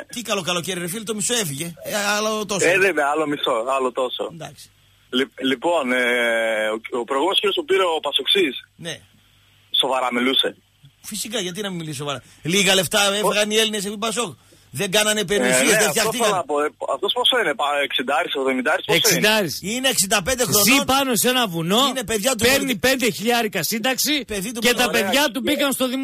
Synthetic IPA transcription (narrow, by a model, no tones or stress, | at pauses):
t̪ikɐlo̞kɐlo̞ceɾiɾefilt̪o̞miso̞e̞fiʝe̞alot̪oseðemeɐlo̞miso̞ɐlot̪o̞so̰end̪ɐksi̥ | lilipo̞neoopɾojɣumenoskiɾjospupiɾeopɐsoksisne | so̞vɐɾɐmiluse̞ | fisikɐʝɐt̪̬inɐmimiliss̬o̞vɐɾɐ | liɣɐle̞ft̪ɐeeɣɐnie̞lines̬efipɐso̞k | ðeŋɡɐnɐne̞penisilezðefθçɐot̪ikɐnɐpoɐ̰ft̪o̞sposoinepɐeksind̪ɐɐɾiseɣðo̞mind̪ɐɾisessind̪ɐɾisineːksind̪ɐpe̞nd̪e̞xɾonipɐnosenɐvuno̞nepe̞ðʝɐt̪̬upeɾnipe̞nd̪eçiʎɐɾikɐsind̪ɐksipeðit̪uet̪ɐpe̞ðʝɐt̪ubikɐnst̪o̞ðim